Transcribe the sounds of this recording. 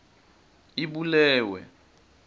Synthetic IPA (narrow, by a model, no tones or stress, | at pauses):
iɓulɛːwɛ̰